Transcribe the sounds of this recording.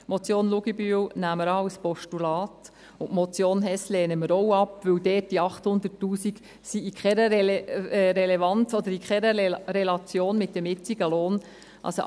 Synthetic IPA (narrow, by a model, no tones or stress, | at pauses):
mɔt͡sjoːnluɡibywnæməɾɑwspɔʃtulɑːt | ʊntmɔt͡sjoːnɦɛslɛːnəməɾɔwɑpʋɵwdɛːt̚d̥iɑχthʊnd̪ətːuːsik | siikχɛɾə | ɾelevɑnt͡sɔd̪əɾikχɛɾəɾelɑt͡sjoːnmɪt̚dɛmɪt͡siɡ̥əloːn | ʔɑ̰lso